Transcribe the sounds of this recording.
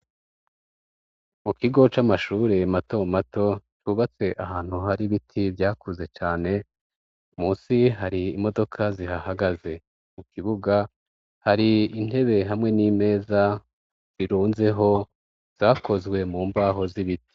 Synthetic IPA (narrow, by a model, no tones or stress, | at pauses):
mukiɡo̞t͡ʃamaʃuːɾe̞mato̞mato̞t͡ʃuβat͡se̞ʔahaːn̥huhaɾiβitʰibjaːkuze̞t͡ʃaːne̞ | umuːnsiɦaɾiːmo̞do̞kʰazihahaɡaze̞ | mukʰiβuɡa | haɾiin̥he̞βe̞ɦamŋe̞niːme̞ːza | z̥iɾuːnze̞ɦo̞ | z̥akʰo̞zɡwe̞muːmbaːɦo̞ziβiti̥